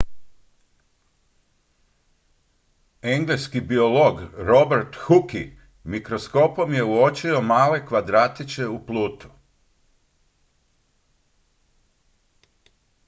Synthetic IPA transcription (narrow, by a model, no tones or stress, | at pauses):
e̞ŋɡleskibio̞lo̞ɡɾo̞beɾt̪xuki | mikɾo̞sko̞po̞mje̞uo̞t͡ʃio̞maːle̞kʋad̪ɾaːt̪it͡ʃe̞upluːt̪u̥